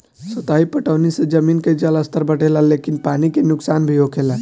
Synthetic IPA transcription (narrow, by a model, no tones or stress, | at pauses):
sət̪aɦipəʈaʋnised͡ʒəminked͡ʒələst̪ʰəɾbəʈelalekinpanikenʊksanbʱiɦokʰela